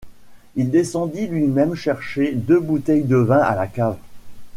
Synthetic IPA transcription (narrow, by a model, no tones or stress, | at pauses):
ild̪esɑ̃d̪ilɥimɛmʃɛʁʃed̪øbut̪ɛjd̪əvɛ̃ʔa̰lakav